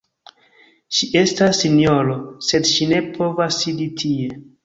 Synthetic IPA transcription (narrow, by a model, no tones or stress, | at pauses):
ʃiʔe̞stasːinjo̞ɾo̞se̞dʃine̞pʰo̞vasːiditʰie̞